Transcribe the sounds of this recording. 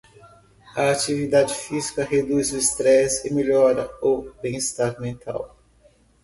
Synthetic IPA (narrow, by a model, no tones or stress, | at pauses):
ɐat͡ʃivid̪ad͡ʒɪfizikɐɦed̪uzʊist̪ɾɛsɪmeʎɔɾɐobẽj̃ist̪aɾmẽt̪a̰w